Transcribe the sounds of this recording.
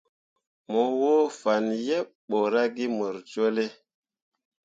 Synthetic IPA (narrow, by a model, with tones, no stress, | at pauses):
mo˨wo˦fa˨nje˦pɓo˨ɾa˦ɡi˦mə˨ɾt͡ʃo˦le˦